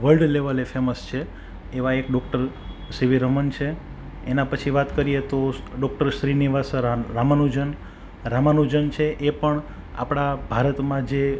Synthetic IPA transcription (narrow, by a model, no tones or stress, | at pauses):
ʋəlɖleʋəlefeməst͡ʃʰeː | ʋaekɖɔk̚ʈəɾ | siʋiɾəmənt͡ʃʰe | enãpət͡ʃʰiʋat̪kəɾijet̪oɖɔk̚ʈəɾʃɾiniʋasɾɾamanud͡ʒən | ɾamanud͡ʒənt͡ʃʰeʔepəɳ | a̰pɽ̃abʱaɾət̪mãd͡ʒe